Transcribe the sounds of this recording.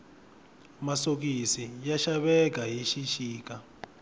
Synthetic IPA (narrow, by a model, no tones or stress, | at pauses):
masok̬isijaʃaɓɛk̬aɦiʃiʃiːk̬ʼa